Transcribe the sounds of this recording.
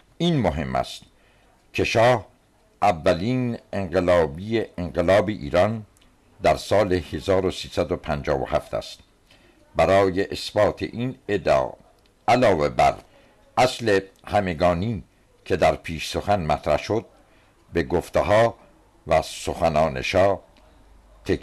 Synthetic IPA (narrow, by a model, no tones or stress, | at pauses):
iːnmoɦe̞mːæ̰st̪ | cʰe̞ʃɒːh | ʔævːæliːneɴɢelɒːbiːeeŋɢelɒːbeʔḭːɾɒn | d̪æɾsɒːlehezɒːɾosiːsæd̪opʰænd͡ʒɒːvo̰hæ̰ft̪ʰæ̰st̪̚ | bæɾɒːje̞ʔesbɒːt̪ʰḛʔiːned̪̰ | ælɒːve̞bæ̰ɾ | ʔæsle̞ | hæme̞ɡɒːniː | kʰe̞d̪æɾpʰiːʃso̞xænmæt̪ʰɾæ̰hʃod̪̚ | be̞ɡoft̪eɦɒː | væsoxænɒːnḛʃɒː | t̪ʰek